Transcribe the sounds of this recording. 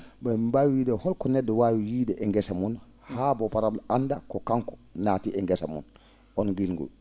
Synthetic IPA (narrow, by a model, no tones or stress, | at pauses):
bɛmbawiwiːdɛhɔlkɔnɛdːɛwaːwijiːdɛʔɛŋɡɛsamun | haːbɔpaɾablandakɔkaŋkɔ̥naːtiʔɛŋɡɛsa̰mṵn | ɔnɡilŋɡṵl